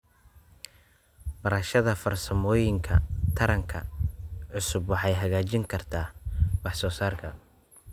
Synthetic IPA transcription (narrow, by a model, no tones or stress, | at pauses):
b̥ɐɾɐʃɐðɐfɐrsɐmɔːjɪŋkʰɐ̰t̪ʰɐɾɐŋkʰɐ̰ʕʊsʊbwɑħɑjɦɐɣaːt͡ʃɪŋkʰɐrt̪ʰaːwɑħsɔːsaːrkʰɐ